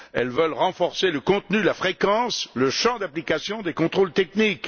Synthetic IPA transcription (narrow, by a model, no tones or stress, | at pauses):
ɛlvœlʁɑ̃fɔʁseləkɔ̃t̪nylafχekɑ̃sləʃɑ̃d̪aplikasjɔ̃d̪ekɔ̃t̪χolt̪ɛknik